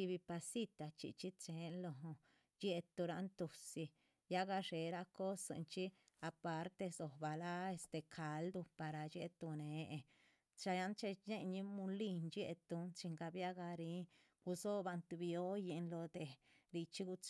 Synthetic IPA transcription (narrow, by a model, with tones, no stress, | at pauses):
i˧βi˧pa˧si˦t̪a˨t͡ʃḭ˨t͡ʃi˦t͡ʃe˨˦nlo˧˨ɦo˧ | d͡ʒe˦t̪u˧ɾa˧nt̪u˨si˧ | ja˦ɡa˧ʂe˨ɾa˦ko˦sḛ˧nt͡ʃi˦a˧pa˧ɾt̪e˧so˨ba˨la˦e˧st̪e˨kʰa˨ld̪u˧pa˨ɾa˨d͡ʒḛ˦t̪u˧ne˨e˧ | t͡ʃa˧ja˧nt͡ʃe˧ne˦ɲi˦mu˧li˦˧nd͡ʒe˧t̪u˧nt͡ʃi˧ŋɡa˧bja˦ɡa˧ɾi˦ | ɡ̥u˧so˦ba˧nt̪u˧bjo˦je˧nlo˧d̪e˨ɾi˧t͡ʃi˦ɡu˧t͡s